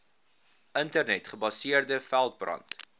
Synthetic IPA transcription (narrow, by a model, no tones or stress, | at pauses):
ʔəntərnɛtχəbɐsiərdəfælˠt̚brɐ̰nt